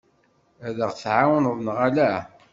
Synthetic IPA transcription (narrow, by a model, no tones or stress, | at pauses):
æðəʁθʕawənðˤnʁalæ